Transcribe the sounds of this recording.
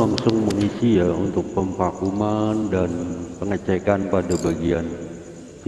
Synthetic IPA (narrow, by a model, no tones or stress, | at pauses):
aŋsʊŋməŋisijaṵnt̪ʊk̚pəmfakumandanpəŋət͡ʃɛkanpadabaɡia̰n